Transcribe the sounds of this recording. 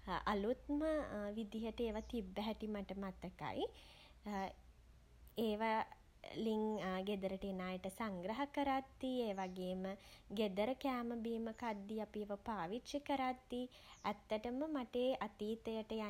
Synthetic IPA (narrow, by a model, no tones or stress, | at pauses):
a̰lut̪̚məʋid̪ijəʈəeːʋat̪ibːɛɦɛʈimaʈəmat̪əka̰ji | eːʋa | liŋɡed̪əɾəʈenaːjəʈəsaŋɡɾɐɦəkəɾat̪ːieːʋaɡeːməɡed̪əɾəkæːməbiːməkad̪ːiapiʋəpaːʋitʃəkəɾat̪ːi | æt̪ːəʈəməmaʈeːʔat̪iːt̪əjəʈəja